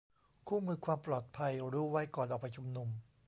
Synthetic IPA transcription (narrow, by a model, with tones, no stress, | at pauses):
kʰuː˥˩mɯː˧kʰwaː˧mplɔː˨˩t̪̚pʰa˧jɾuː˦˥˩wa˦˥˩jkɔː˨˩nʔɔː˨˩k̚pʰa˧jt͡ɕʰu˧mnu˧m